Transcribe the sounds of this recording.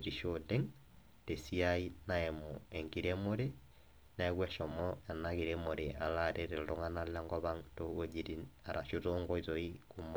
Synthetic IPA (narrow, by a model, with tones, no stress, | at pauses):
ɾi˨ʃode˦ŋ | te˨si˦a˦i˦na˦ɛ˨mo˨e˨ŋɡi˨ɾe˦mo˦ɾe˦ | nɛ˦kwɛ˦ʃɔ˨mɔa˨naki˨ɾemo˨ɾe˨a˨la˦˨ɾe˦ɾe˨ldo˦ŋa˦na˦la˦ŋɡɔ˦βa˦ŋto˦o˦d͡ʒi˦ɾi˦na˨ɾʔa˨ʃu˦to˦ŋɡɔ˦i˦zo˨i˦kumɔ